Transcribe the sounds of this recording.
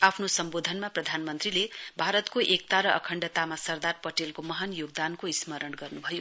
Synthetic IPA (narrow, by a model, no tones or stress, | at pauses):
apʰnosʌmbod̪ʱʌnmaprʌd̪ʱanmʌnt̪rilebʱaɾʌt̪koʔek̚t̪aɾʌʔʌ̰kʰʌɳɖʌt̪amasʌrd̪arpʌʈelkomʌɦanjoɡ̚d̪ankoismʌɾʌnɡʌrnubʱʌjo